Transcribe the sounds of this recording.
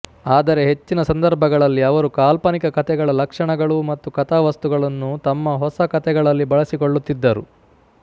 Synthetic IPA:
aːd̪ɐɾe̞ɦe̞t͡ʃːinɐsɐnd̪ɐɾbʱɐɡɐɭɐlːiɐʋɐɾukaːlpɐnikɐkɐt̪ʰɛɡɐɭɐlɐkʂɐɳɐɡɐɭumɐt̪ːukɐt̪ʰaːʋɐst̪uɡɐɭɐnːut̪ɐmːɐɦɔsɐkɐt̪ʰɛɡɐɭɐlːibɐɭɐsiko̞ɭːut̪ːid̪ːɐɾṵ

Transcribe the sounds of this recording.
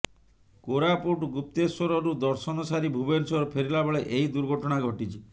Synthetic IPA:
koɾapuʈɡup̚t̪eswɔɾɔɾud̪ɔɾsɔnɔsaɾibʱubensɔɾɔpʰeɾilabeɭeʔeid̪uɾɡʱɔʈɔɽ̃aɡʱɔʈit͡ʃʰi

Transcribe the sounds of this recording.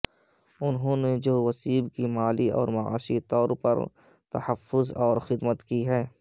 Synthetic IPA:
ʊnɦõːned͡ʒoːʋɐsiːbkimaːliɔ̰ːɾmɐʕa̰ːʃit̪ɔːɾpɐ̰ɾ | t̪ɐ̰həfːʊzɔːɾxɪd̪mət̪kiɦɛː

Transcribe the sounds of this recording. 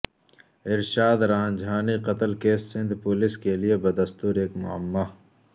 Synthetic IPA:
ɪɾʃaːd̪ɾãːnd͡ʒʱaːniqɐt̪əlkeːsːɪ̃nd̪ʱpʊlɪskeliebɐd̪ɐst̪uːɾeːkmʊ̰a̰mːaː

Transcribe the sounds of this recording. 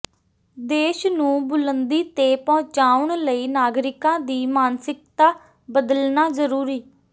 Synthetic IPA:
d̪eːʃnũːbʊlənd̪iːt̪eːpɔ̃ːt͡ʃaːʊɳləiːnaːɡɾɪkãːd̪iːmaːnsɪk̚t̪aː | bəd̪əlnaːzəɾuːɾiː

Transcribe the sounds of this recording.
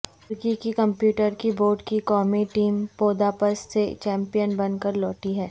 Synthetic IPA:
ʊɾkikikɐ̃mpjuːʈəɾkiboːɖkikɔːmiʈiːmpoːd̪aːpəsːet͡ʃɛ̃ːmpijənbɐnkəɾlɔːʈiɦɛː

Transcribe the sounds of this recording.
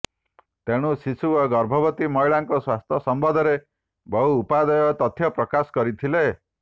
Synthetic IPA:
t̪eɽ̃usisuoɡɔɾbʱɔbɔt̪imɔjɭaŋkɔswast̪ʰjɔsɔmbɔd̪ʱɔɾe | bɔɦuːpad̪ɔjɔt̪ɔt̪ʰjɔpɾɔkasɔ̥kɔɾit̪ʰile

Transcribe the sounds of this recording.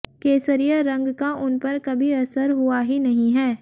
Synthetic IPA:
keːsəɾijəɾɐ̃ŋɡkaʔʊnpɐɾkɐbʱiɐsəɾɦʊaɦinɐɦĩɦɛː

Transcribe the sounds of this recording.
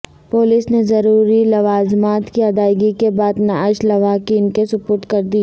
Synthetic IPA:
poːlisnezɐɾuːɾilɐʋaːzmaːt̪kiɐd̪aːɪɡikebaːd̪naʃlɐʋaːkiːnkesʊpʊːɾʈ̪kɐɾd̪i

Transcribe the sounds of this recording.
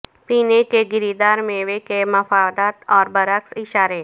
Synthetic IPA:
piːnekeɡɪɾid̪aːɾmẽʋekeməfaːd̪aːt̪ɔːɾbəɾəksɪʃaːɾe

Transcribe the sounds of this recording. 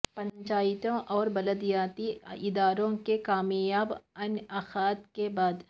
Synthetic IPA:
pɐ̃ɲt͡ʃaːjɪt̪õʔɔːɾbɐləd̪ijaːt̪iɪd̪aːɾõkekaːmjaːbɐnɐxaːt̪kebaːd̪

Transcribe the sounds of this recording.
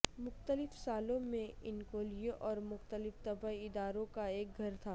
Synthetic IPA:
mʊxt̪əlɪfsaːlõmẽɪnkoːlieʔɔːɾmʊxt̪əlɪft̪ɐbəɪd̪aːɾõkaeːk̚ɡʱɐɾt̪ʰaː

